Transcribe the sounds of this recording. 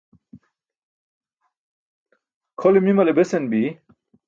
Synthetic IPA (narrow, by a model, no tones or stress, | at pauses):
kʰolimimɐlebesenbi